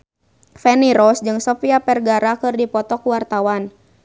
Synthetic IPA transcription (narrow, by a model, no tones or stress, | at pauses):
fɛniɾɔsd͡ʒɨŋsɔfiapɛrɡaɾakɨrdipɔt̪ɔkuwart̪awan